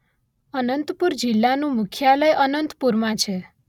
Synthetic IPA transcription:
ənənt̪puɾd͡ʒilːanũmʊkʰjaləjʔənənt̪puɾmãt͡ʃʰe

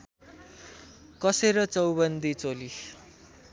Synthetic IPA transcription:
kʌseɾʌt͡sʌwbʌnd̪it͡soli

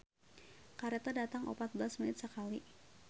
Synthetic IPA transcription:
kaɾet̪adat̪aŋʔopat̪̚bəlasminɪt̪səkali

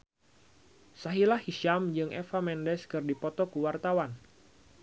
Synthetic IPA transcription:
saɦilahhiʃamd͡ʒɨŋʔɛfamɛndɛskɨrdipɔt̪ɔkuwart̪awan

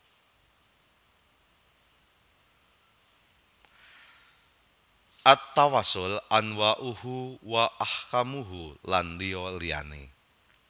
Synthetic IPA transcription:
ʔat̪ːawasʊlanwaʔuhuwaʔahkamuɦulanliɔlia̰nḛ

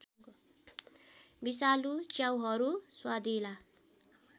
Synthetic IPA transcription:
bisalut͡ʃjawɦʌɾuswad̪ila

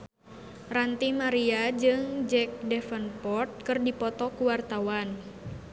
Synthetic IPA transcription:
rant̪imaɾiad͡ʒɨŋd͡ʒɛk̚dɛfənpɔrt̪̚kɨrdipɔt̪ɔkuwart̪awan

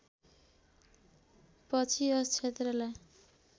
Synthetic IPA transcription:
pʌt͡sʰiʌst͡sʰet̪rʌlaj

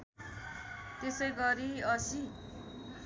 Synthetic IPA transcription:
t̪esʌjɡʌɾiʌsi

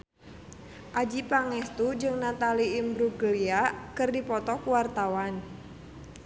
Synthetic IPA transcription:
ʔad͡ʒipaŋɛst̪ud͡ʒɨŋnat̪aliːmbɾuɡəliakərdipɔt̪ɔkuwart̪awan

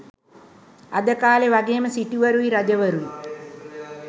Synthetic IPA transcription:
ɐd̪əkaːleʋɐɡeːməsiʈuʋɐɾuʋiɾɐd͡ʒɐʋɐɾuʋi

